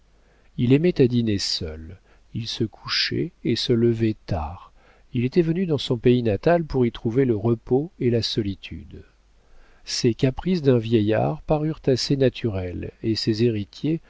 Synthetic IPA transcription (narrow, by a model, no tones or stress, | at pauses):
ilemɛt̪ad̪inesœ̰l | ilsəkʰu̥ʃɛ̰esələvɛt̪a̰ːʁ | ilet̪ɛvənyd̪ɑ̃sɔ̃peinat̪alpuʁit̪χuveləʁəpoelasɔlit̪ʰy̰d̪ | sekapχisd̪ɛ̃vjɛja̰ʁpaʁyʁt̪asenat̪ʰyʁɛlesezeʁit̪je